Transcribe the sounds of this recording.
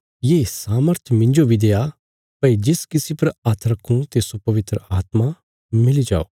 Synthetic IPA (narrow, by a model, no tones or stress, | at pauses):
jeːsaːməɾt̪ʰmɪ̃ɲd͡ʒobʱid̪eːa | pɐid͡ʒɪskɪsipɐɾaːt̪ʰɾɐkʰːũt̪esopɐʋɪt̪ɾəaːt̪ma | mɪlid͡ʒa̰ːoː